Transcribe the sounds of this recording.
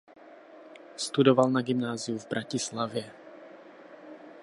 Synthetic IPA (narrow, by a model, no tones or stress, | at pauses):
st̪udovalnaɡɪmnaːzɪjuvbɾacɪslavjɛ